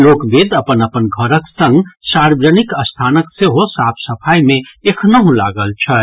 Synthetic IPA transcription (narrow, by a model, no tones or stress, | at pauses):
lokbed̪əpənəpənɡʱəɾəksə̃ŋɡsaɾbɾənikəst̪ʰanəkseɦosapʰsəpʰajmẽekʰnəɦũla̰ɡəlt͡ʃʰə